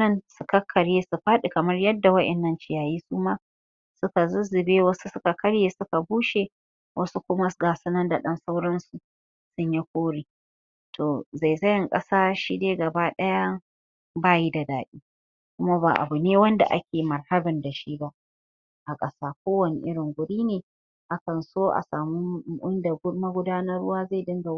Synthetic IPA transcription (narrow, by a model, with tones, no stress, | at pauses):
nɐ˦nsʊ˨kɐ˦kʰːɐ˨ɽjeː˦su˨ɸaː˦ɗi˨kɐ˨mɐ˦rjɐ˦dːa˨wɐ˦ʔɛ˨nːɐ˦nt͡ʃɪ˦jaː˨jiː˦suː˦maː˦ | sʊ˦ka˨zʊ˦zɪ˨beː˦wɐ˦su˦sʊ˦ka˨kʰɐ˦ɽjeː˦sʊ˦ka˨buː˦ʃe˨ | wʔɐ˦su˦kʷʊ˦ma˦ɡaː˨sɐ˦nɐ˦nda˨ɗɐ˦nsa˦wɽɐ˦nsu˨ | sʊ˦ɲji˦kʷoː˦ɽiː˨ | tʰoː˨za˨jzɐ˦jɪ˨ŋkʼɐ̰˦saː˦ʃi˦deː˦ɡɐ˨baː˦ɗɐ˦ja˦ | baː˦˨ji˦da˨daː˨ɗiː˦ | kʷʊ˦ma˦ba̰ː˨ʔa̰˨bu˨neː˦wɐ˦nda̰˨ʔa̰˦kʲeː˨mɐ˨rhɐ˦bɪ˨nda˨ʃi˦ba˦ | ʔa˨kʼɐ˦saː˦k̚ʷoː˦wɐ˨nḭ˨ʔɪ˦ɽɪ˨ŋɡʷʊ˨ɽiː˦neː˨ | ʔa˦kɐ˨nsoː˦ʔa̰˨saː˨mu˦ɪ˦nda˨˦mɐ˦ɡʷʊ˦daː˦nɐ˦rʊ˦waː˦za˦˨dɪ˦ŋɡa˨